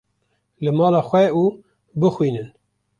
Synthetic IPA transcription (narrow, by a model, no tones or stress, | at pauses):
lɨmɑːlɑːxwɛuː | bɨxwiːnɨn